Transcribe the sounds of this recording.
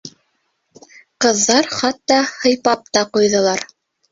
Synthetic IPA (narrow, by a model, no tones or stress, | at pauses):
qɤ̆ðːɑɾχɑt̪ːɑhɤ̆jpɑp̚t̪ɑqujðɤ̆lˠɑɾ